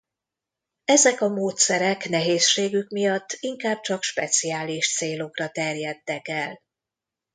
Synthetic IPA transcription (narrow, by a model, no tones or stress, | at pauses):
ɛzɛkɒmoːt̪sɛɾɛknɛɦeːsʃeːɡykmijɒt̪ʰːiŋkaːb̚t͡ʃɒkʃpɛt̪siaːliʃt̪seːlo̞krɒt̪ɛrjɛt̪ːɛkɛl